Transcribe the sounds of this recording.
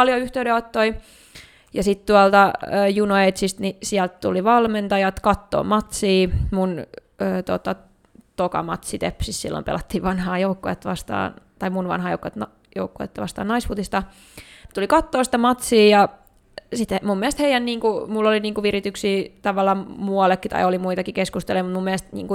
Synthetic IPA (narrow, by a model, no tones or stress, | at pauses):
ɑljoyht̪eydeot̪ːoi | jɑsit̪t̪uɑlt̪ɑːjunoet̪sist̪nisiælt̪t̪uliʋɑlment̪ɑjɑt̪kɑt̪ːo̰ːmɑt̪siːmun | øːt̪ot̪ɑ | t̪okɑ̰mɑt̪sit̪ḛpsissḭlːo̰mpḛlʔɑt̪ːiːʋʋɑnhɑːjoukːoet̪ːʋɑst̪ɑ̰ːnt̪ɑimunʋɑ̰nhɑjo̰ukːoet̪nɑ | jo̰ukːoḛt̪ːʋɑst̪ɑ̰ːnɑisput̪ist̪ɑ | net̪ulikɑt̪ːoːsi̥t̪æmɑt̪siːjɑ | sit̪mumːiælst̪heijænniːŋkumulːoliniːŋkuʋirit̪yksiːt̪ɑʋɑlːˑɑːmuɑlekːit̪ɑ̰iolimuit̪ɑkikeskust̪elojmut̪mumːiælst̪nḭːŋku